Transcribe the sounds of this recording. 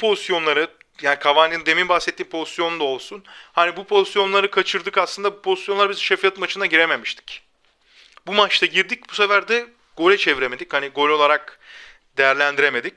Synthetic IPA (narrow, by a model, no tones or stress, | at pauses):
pʰozisjo̞nlˠaɾɯ | jaːnikʰavanɯnd̪e̞mimbaxsɛt̪ʰːiːmpʰo̞zist̪jo̞nd̪ao̞lˠsunhanibupʰo̞zisjo̞nlˠaɾɯkʰat͡ʃʰɯɾd̪ɯkaslˠɯnd̪abupʰo̞zi̥sjonˠaɾɯbizʃefijat̪mat͡ʃʰɯnaɟiɾe̞me̞miʃt̪ʰi̥c | bumat͡ʃt̪ʰaɟiɾd̪ic̚buse̞fæɾd̪ɛ | ɡ̥o̞ɾʲɛt͡ʃʰeviɾeme̞d̪ichaniɡo̞ɾʲo̞lˠaɾak̚ | d̪e̞jæɾlʲænd̪iɾe̞me̞d̪ic